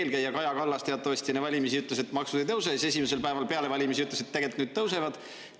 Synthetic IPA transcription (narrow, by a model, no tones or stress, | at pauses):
lkæjːɑkɑjɑkɑlːɑst̪eɑt̪ˑːɑvɑsʲt̪ʲinevɑlʲimisiyt̪ːˑlese̞t̪ːmɑksud̪̥ejt̪ɤws̬ese̞simese̞lpæe̞vɑlpe̞ɑle̞vɑlʲimisiyt̪leset̪ːæɡelt̪nyːd̪̥̚t̪ɤwse̞vɑd̪̥